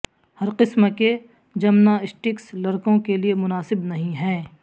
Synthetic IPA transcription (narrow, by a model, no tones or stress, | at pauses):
hɐɾqɪsmke | d͡ʒɐmnaɪsʈɪkslɐɾkõkeliemʊnaːsɪbnɐɦĩɦɛ̃ː